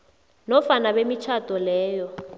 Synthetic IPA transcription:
nɔfanabemit͡ʃʰatʼɔlɛːjɔ

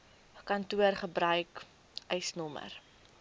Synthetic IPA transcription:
kɐntuərχəbɾœɥk | œjsnɔmə̰r

